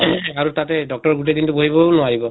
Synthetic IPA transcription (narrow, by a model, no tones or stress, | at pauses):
aɹutatɛdɔk̚tɔɹɡut̬ed̪intʊboɦibɔnʊaɹibɔ